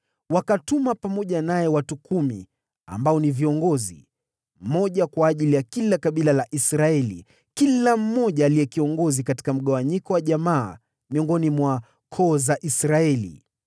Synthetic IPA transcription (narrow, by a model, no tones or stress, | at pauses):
wakatumapamɔʄanajɛwatukumḭ | a̰mbaɔniviɔŋɡɔzḭ | m̩mɔʄakwaːʄilijakilakaɓilalaʔisɾaɛlḭ | kilam̩mɔʄaːlijɛkiɔŋɡɔzikati̥kam̩ɠawaɲikɔwaʄamaː | miɔŋɡɔnimwa | kʰɔːzaʔisɾaɛlḭ